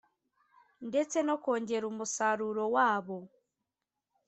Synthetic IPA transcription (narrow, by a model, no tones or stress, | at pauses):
ndetenokoːɲɟeɾumusaɾuɾowaːβo